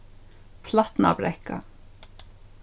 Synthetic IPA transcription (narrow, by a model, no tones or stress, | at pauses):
pʰlat̪na̰bɾɛhka̰